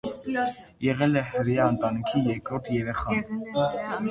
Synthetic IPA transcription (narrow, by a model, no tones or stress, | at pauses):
jɛʁɛlɛhəɾjɑnt̪ʼɑnikʰijɛkɔɾt̪ʰjɛɾɛχɑn